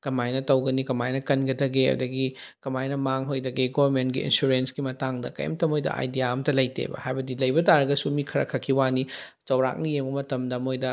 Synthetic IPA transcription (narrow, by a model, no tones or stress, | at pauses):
kɐmajnɐtɐwɡɐnikɐmajnɐkɐnɡɐdɐɡeɐ̰dɐɡikɐmajnɐmaŋɦojdɐɡeɡobɐɾmentɡiḭnsuɾensɡimɐtaŋdɐ̰kɐ̰jɐ̰mtɐmojdɐ̰ʔa̰jdijamtɐlɐjtḛbɐ̰hajbɐdilɐjbɐtaɾɐɡɐsumikʰɐɾɐ̰kʰɐkʰːiwani | zɐwɾa̰k̚nijembɐmɐtɐmdɐmojdɐ